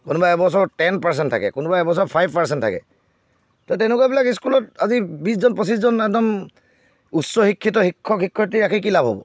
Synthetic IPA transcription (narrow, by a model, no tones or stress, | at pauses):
kʊnubaɛbɔs̬ɔɹtɛnpaɹs̬ɛntʰa̰kɛ̰kʊnubaɛbɔs̬ɔpʰajb̚ʱpaɹsɛntʰa̰kɛ̰ | tɔtɛnʊkuabilakiskulɔtazibis̬zɔnpɔsis̬zɔnɛkdɔm | utsɔxikʰːitɔxikʰːɔkxikʰːɔtiakʰikilabʱɦɔ̰bɔ̰